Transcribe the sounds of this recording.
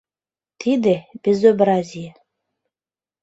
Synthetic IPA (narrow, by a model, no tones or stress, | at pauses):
t̪ʰid̪ĕbʲezobɾazʲij